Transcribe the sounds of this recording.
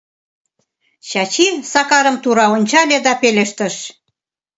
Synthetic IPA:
ɕɑt͡ɕisɑkɑɾə̆mt̪uɾɑonʲt͡ɕɑlʲed̪ɑpeleʃt̪ə̆ʃ

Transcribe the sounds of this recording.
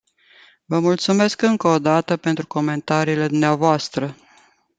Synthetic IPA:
vəmult̪sume̞skɨŋkəod̪at̪əpe̞nt̪ɾuko̞me̞nt̪aɾiːle̞d̪umneavoast̪ɾə

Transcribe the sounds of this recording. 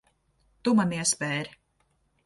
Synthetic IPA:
t̪umɐmiɛspɛːɾi

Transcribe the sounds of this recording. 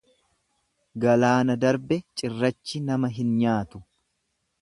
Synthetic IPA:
ɡɐlaːnɐd̪ɐɾbɛt͡ʃʼɪrːɐt͡ʃːɪnɐmɐɦɪnɲaːt̪ʊ̥

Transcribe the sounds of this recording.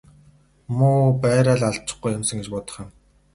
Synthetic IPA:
mʊːpæːɾaːɮaɮt͡ɕɪ̥̆χɡujːʊmsə̆ŋɡet͡ɕpʊːt̪ə̥̆χĭːm

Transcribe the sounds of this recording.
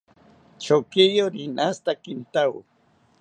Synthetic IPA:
t͡ʃokɪjoɾɪnʔast̪akɪnt̪aw

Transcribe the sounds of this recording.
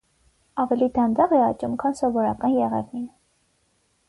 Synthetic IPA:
ɑvɛlid̪ɑnd̪ɑʁɛɑt͡ʃumkʰɑnsɔvɔɾɑkɑnjɛʁɛ̰vnin

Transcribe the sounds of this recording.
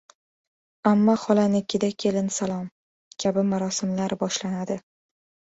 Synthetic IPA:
amːɒχɒlanɪkʲʰːɪd̪akʲʰe̞lɪnsalˠɒm | kʲʰabɪmaɾɒsɪmlaɾbɒʃlanad̪ɪ

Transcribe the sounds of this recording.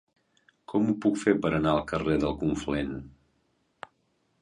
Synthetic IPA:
kʰɔmupukfepəɾənaəlˠkəreðəlˠkuɱflen

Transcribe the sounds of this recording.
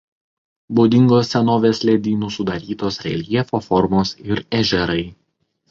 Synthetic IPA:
boːd̪ʲɪŋɡoːsːʲɛnoːʋʲeːslʲɛd̪ʲiːnusʊd̪ɐɾʲiːt̪oːsɾʲɛ̰lʲiɛfofɔɾmoːsɪɾɛʒʲɛɾɐɪ

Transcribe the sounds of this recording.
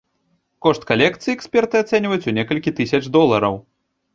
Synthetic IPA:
kɔʂt̪̚kalʲɛkt̪sɨjiɛksʲpʲɛrt̪ɨat̪sɛnʲvɐjut͡sʲunʲɛkɐlʲkʲit̪ɨsʲɐt͡ʂd̪ɔlˠɐɾɐw

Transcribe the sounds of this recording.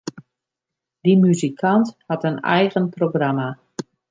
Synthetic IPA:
d̥imyzikʰanthatənɛ̰jɣənproɡrama

